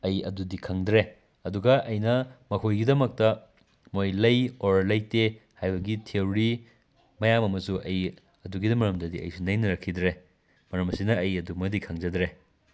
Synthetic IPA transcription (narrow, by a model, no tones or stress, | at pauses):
ɐjɐ̰dudikʰɐŋdɾe | ɐduɡɐʔɐjnɐmɐkʰojɡidɐmɐk̚tɐ | mojlɐjoɾlɐjtehajbɐɡitʰewɾi | mɐjamɐmɐsuʔɐj | ɐduɡidɐmɐɾɐmdɐdiɐ̰jsunɐjnɐɾɐkʰːidɾe | mɐɾɐmɐsinɐːjɐdumɐdikʰɐŋzɐdɾe